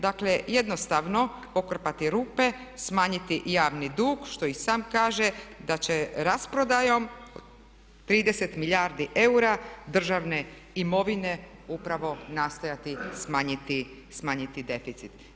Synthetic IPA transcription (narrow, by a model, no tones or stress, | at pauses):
d̪akleje̞d̪no̞st̪aʋno̞po̞kr̩pat̪iɾuːpe̞ | smaːɲit̪ijaːʋnid̪uːɡʃt̪o̞isaːmkaːʒed̪at͡ɕeɾaspɾo̞d̪ajo̞m | t̪ɾiːd̪ese̞t̪miʎaɾd̪iʔe̞uɾad̪r̩ʒaʋne̞ | imo̞ʋine̞upɾaʋo̞nast̪ojat̪ismaːɲit̪i | smaːɲit̪id̪e̞fit̪sit̪